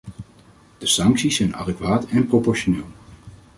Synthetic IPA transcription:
d̥əsɑŋksisɛjnɑ̰dɛkʋaːtɛnpropɔɹʃonɪːlˠ

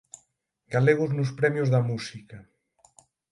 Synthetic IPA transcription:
ɡaleɣ̞ʊznʊspɾɛmjʊzðɐmusikɐ

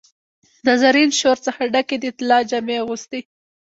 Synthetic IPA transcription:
d̪əzaɾinʃoɾt͡səxaɖaked̪əɪt̪ɪlɑd͡ʒameaɣust̪i

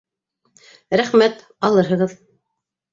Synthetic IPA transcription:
ɾæχmæt̪ | ɑlˠɤɾɦɤ̆ʁɤð

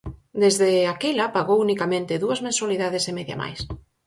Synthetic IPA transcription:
d̪ezðeakelɐpaɣowunikamẽnt̪ɪðuɐzmẽnswaliðaðesemeðja̰ma̰js

